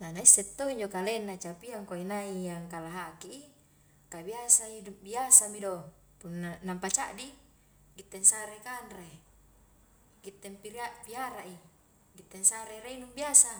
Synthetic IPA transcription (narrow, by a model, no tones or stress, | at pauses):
nanaisːɛt̪ːoiɲd͡ʒokalenːat͡ʃapiaŋkainaijaŋkalaɦakiʔi | kabiasaidubiasamido | punːanampat͡ʃaʔdi | ɡit̪ːensaɾekanɾe | ɡit̪ːempiɾapiaɾaʔi | ɡit̪ːɛnsaɾeɾeinumbiasa